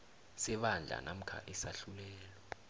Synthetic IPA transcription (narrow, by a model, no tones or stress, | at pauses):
sɛɓand͡ɮʱa̰nam̩kʰa̰ʔɛsaɬulɛːlɔ